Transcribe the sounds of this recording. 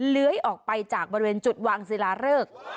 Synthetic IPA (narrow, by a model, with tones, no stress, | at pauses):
lɯ˨˦əjʔɔː˨˩k̚pa˧jt͡ɕaː˨˩k̚bɔː˧ɾi˧weː˧nt͡ɕu˨˩t̪̚waː˧ŋsi˨˧˦laː˧˥ɾɤː˥˩k̚